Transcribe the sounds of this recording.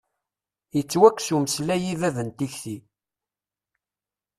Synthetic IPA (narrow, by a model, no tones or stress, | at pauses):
jət͡sːwækːsuməslæjivæðənt̪içθi